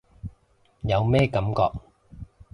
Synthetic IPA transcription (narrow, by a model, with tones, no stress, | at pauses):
jɐ˨˧wmɛː˥kɐ˨˥mkɔː˧k̚